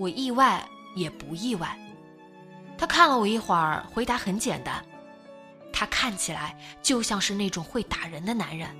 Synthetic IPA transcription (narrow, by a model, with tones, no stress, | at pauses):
wɔ˨˩ʔi˥˧wa˥˩ɪ | jɛ˨˩pu˧˥i˥˧wa˥˩ɪ | t̪ʰa˥kʰa˥˩nlə˨˩wɔ˨˩i˥˩xwa˨˧˥xwe˧˥ɪt̪a˧˥xə˧˥nt͡ɕjɛ̰˨˩nt̪a̰˥n | t̪ʰa˥kʰa˥˩nt͡ɕʰi˨˩la̰˧˥ɪt͡ɕjo˥˧ʊɕjɑ˥˧ŋʂɻ̩˥˧ne˥˩ɪʈ͡ʂʊ˨˩ŋxwe˥˩ɪt̪a˨˩ɻə˧˥nd̪ə˧na˧˥nɻə˧˥n